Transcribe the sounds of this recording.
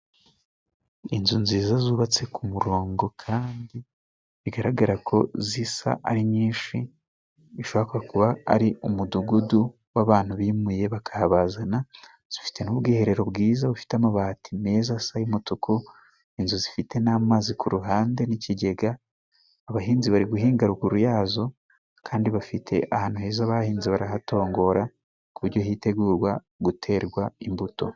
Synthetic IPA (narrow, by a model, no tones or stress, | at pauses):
inzunziːzazuːβat͡se̞kumuɾo̞ːŋɡo̞kʰaːndi | βiɡaɾaɡaɾakʰo̞zisa̰ʔaɾiɲiːnʃi | iʃoβakuβakuβa̰ːɾiumuduɡudu | waβaːn̥huβiːmuje̞βakʰahaβazana | z̥ifi̥te̞nuβɡiːhe̞ɾe̞ɾo̞βɡiːzaβufi̥tamaβaːtʰime̞ːzasajumutukʰu | inzuzifite̞naːmaːzikʰuɾuɦaːnde̞niciɟe̞ɡaː | βaɦiːnziβaɾiɡuɦiːŋɡaɾuɡuɾujaːzo̞ | kʰaːndiβafitʰe̞̰ʔahaːn̥uhe̞ːzaβahiːnziβaɾahato̞ːŋɡo̞ɾa | kuβuɾɟo̞hiːte̞ɡuːɾɡwa | ɡutʰe̞ːɾɡwaimbuto̞̰